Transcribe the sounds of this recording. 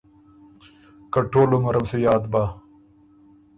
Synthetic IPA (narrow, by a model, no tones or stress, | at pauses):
kɐʈoːluŋɐɾʔɐmsejaːd̪ba